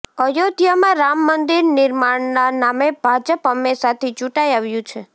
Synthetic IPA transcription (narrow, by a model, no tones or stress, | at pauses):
əjod̪ʱjamãɾamːənd̪iɾnɪɾmaɳnanameb̥ʱad͡ʒəpəmesat̪ʰid͡ʒũʈajaʋjũt͡ʃʰe